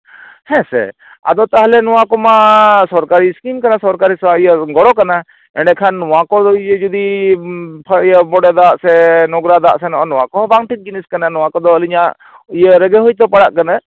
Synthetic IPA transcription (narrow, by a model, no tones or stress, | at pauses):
hɛ̃sɛ̰ | a̰d̪ɔt̪aɦlɛnɔwakɔmasɔɾkaɾiskimkanasɔɾkaɾisaijəɡɔɽɔkana | ɛɳɖɛkʰanːɔwakɔd̪ɔijəd͡ʒud̪i | pʰijəbɔɽɛd̪aʔsɛnɔɡɾad̪aʔsɛnɔʔɔnɔwakɔɦbaŋʈit̪̚ɡiniskananɔwakɔd̪ɔəliɲaʔ | ijəɾəɡeɦujt̪̬ɔpaɽaʔkana